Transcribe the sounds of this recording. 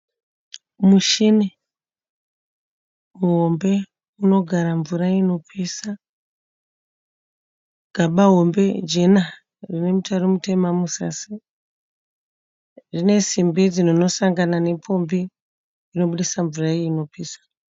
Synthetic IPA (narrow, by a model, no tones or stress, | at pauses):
muʃine | uɦo̞mbe̞ | uno̞ɡʱaɾaɱvuɾaino̞pʰiːsa | ɡ̥ʱaɓaɦo̞mbe̞d͡ʒena | rine̞mutaɾomute̞mamusa̰si | rine̞simbid͡zinono̞saŋɡanane̞pʰo̞mbiː | no̞ɓuɗisaɱvuraiino̞piːsḁ